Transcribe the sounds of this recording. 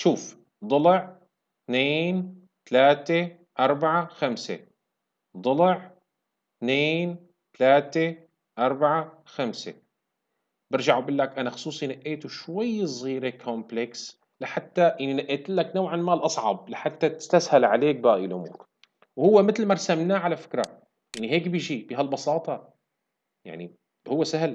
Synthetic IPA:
ʃuːf | d̪ˤʊlʕ | t̪neːn | t̪alaːt̪e | ʔɑɾˤbaʕaxamsḛ | d̪ˤʊlʕ | t̪neːn | t̪alaːt̪e | ʔɑɾˤbaʕaxamsḛ | bɪɾʒaʕubɪlːakʔanaxʊ̥sˤuːsˤinaʔʔːeːt̪uʃwajːsˤɣiːɾekʰompleks | lɪħat̪ːajaninaʔːeːt̪ɪlːaknawʕamaːlʔɑsˤʕɑ̰blɪħat̪ːat̪ɪ̥st̪ashalʕaleːk̚baːʔilʔʊmṵːɾ | whʊwːemɪt̪lmaɾˤsamnaːʕalafɪ̥kɾˤɑ | jaʕniɦeːkbɪːʒibɪɦalbɑsɑːt̪ˤɑ | ja̰ʕni | hʊwːesahl

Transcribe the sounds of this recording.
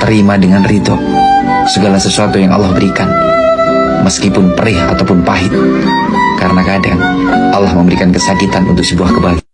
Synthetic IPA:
t̪əɾimadəŋanrit̪ɔʔ | səɡalasəsuat̪ujaŋʔa̰lːahbəɾikan | məskipʊnpəɾɪɦa̰t̪awpʊnpaɦɪt̪̚ | kaɾənakadaŋ | ʔalːahməmbəɾikankəsakit̪anʔṵnt̪ʊksəbuahkəbali

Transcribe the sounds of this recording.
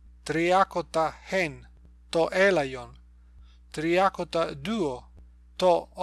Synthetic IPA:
t̪ɾiakot̪ahen | t̪oʔelajon | t̪ɾiakot̪ad̪uo | t̪o

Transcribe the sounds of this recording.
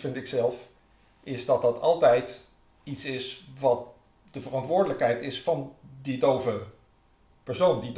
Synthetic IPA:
fɪntɪksɛlˠf | ʔɪzdɑt̚dɑtʰɑlˠtɛjt | itsɪsʋɑt̚ | d̥əvərɑntʋʊːɹdələkɦɛjtɪsfɑndidowvə | pɛɹsowndid

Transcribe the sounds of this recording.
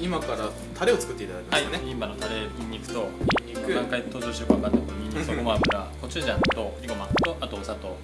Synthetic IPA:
imakaɾa | t̪ʰaɾe̞o̞t͡sɨ̥kɯ̟t̪ːe̞it̪ad̪akemaaineĩmːanot̪aɾe̞iɲːikɯ̟̥t̪o̞iikɯãŋkait̪o̞ːʑoɕiɾɯkaβakãnd̪akoɲiɲisokomoapɯ̟ɾako̞t͡ɕid͡ʑat̪o̞iɡo̞mat̪oʔat̪o̞ːsat̪o̞

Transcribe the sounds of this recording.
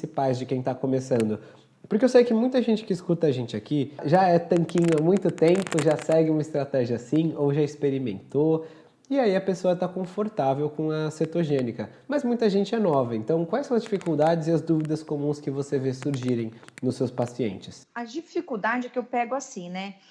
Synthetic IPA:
sipajzd͡ʒɪkẽj̃t̪akomesɐ̃nd̪ʊ | pʊɾkɪeewsejʊkɪmũj̃t̪ɐʒẽnt͡ʃɪ̥kɪːskut̪ɐʒẽnt͡ʃɪakiʒaɛt̪ɐ̃ŋkĩɲʊɐmũj̃t̪ʊt̪ẽmpʊʒasɛɡɪũmɐɪst̪ɾat̪ɛʒiɐsĩowʒaɪspeɾimẽnt̪o | ɪaiɐpesoɐt̪akõfoɾt̪avewkõɐset̪oʒẽnikɐmɐzmũj̃t̪ɐʒẽnt͡ʃɪɛnɔvɐẽnt̪ɐ̃w̃kwajsɐ̃w̃ɐzd͡ʒifikuwd̪ad͡ʒɪzɪɐzd̪uvid̪ɐskomũskɪvosevesuɾʒiɾẽj̃nʊsewspasiḛ̃nt͡ʃɪsɐd͡ʒifikud̪ad͡ʒɪkɪewpɛɡʊasĩnɛ

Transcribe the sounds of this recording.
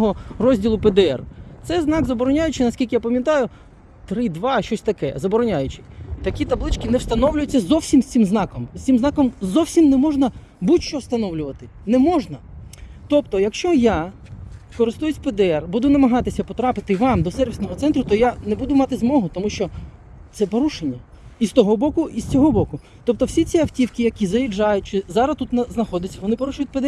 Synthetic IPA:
ɦɔrɔzʲdʲilˠʊpɛd̪ɛɛ̰rt̪sɛznɑɡzɐbɔɾɔnʲajʊt͡ʃɪnɐsʲkʲilʲkɪjapɐmʲjɐt̪ɑjʊ | t̪ɾɪd̪ʋɑʃt͡ʃɔsʲt̪ɐkɛ̰zɐbɔɾɔnʲajʊt͡ʃɪ̥t̪ɐkʲit̪ɐblˠɪt͡ʃkɪnɛwst̪ɐnɔwlʲʊjʊt͡sʲːɐzɔwsʲimsʲt̪ʲsɪmznɑkɔmsʲt̪ʲɪmznɑkɔmzɔwsʲimnɛmɔʒnɐ | butʲt͡ʃɔwst̪ɐnɔwlʲʊʋɐt̪ɪnɛmɔʒnɐt̪ɔpt̪ɔjɐkʃt͡ʃɔja | kɔɾɪst̪ujʊtʲped̪ɛɛrbud̪ʊnɐmɐɦɑt̪ɪsʲɐpɔt̪ɾɑpɪt̪ɪʋɑmd̪ɔsɛrʋʲisnɔɦɔsɛnt̪ɾʊt̪ɔjanɛbud̪ʊmɑt̪ɪzmɔɦʊt̪ɔmuʃt͡ʃɔ | t̪sɛpɔɾuʃenʲːɐ | ist̪ɔɦɔbɔkʊʔist͡sʲɔɦɔbɔkʊ | t̪ɔp̚t̪ɔwsʲit͡sʲiɐwtʲiwkʲɪjɐkʲizɐjid͡ʒɑjʊt̚ʲt͡ʃɪzɑɾɐst̪ut̪nɐznɐxɔd̪ʲɪt͡sʲːɐʋɔnɪpɔɾuʃʊjʊt̚ʲpɛd̪eɛ

